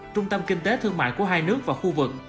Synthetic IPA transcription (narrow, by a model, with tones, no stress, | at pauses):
t͡ɕʊ˧ŋ͡mt̪ə˧mkï˧ŋ̟t̪e˨˦t̪ʰɨ˧əŋma̰ː˧˨jku˧˩əɦaː˧jnɨ˦˥ək̚vaː˨˩xu˧vɨ˨˩k̚